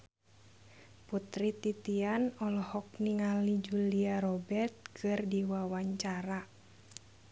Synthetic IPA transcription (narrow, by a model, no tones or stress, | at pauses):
put̪ɾit̪it̪ianɔlɔhɔk̚niŋalid͡ʒuliaɾɔbɛrt̪̚kʰɨrdiwawaɲt͡ʃaɾa